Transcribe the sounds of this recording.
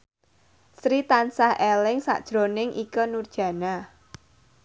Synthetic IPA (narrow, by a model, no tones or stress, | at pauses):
sɾit̪ansahʔelɪŋsa̰ʔd̥ʒ̥ɾonɪŋʔikənurd̥ʒ̥ä̤na